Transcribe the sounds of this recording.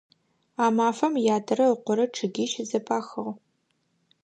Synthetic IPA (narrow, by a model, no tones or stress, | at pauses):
aːmaːfɐmjaːdɐɾɐəqʷɔɾɐʈ͡ʂʰɨɡʲiːʃzɐpʰaːxɨʁ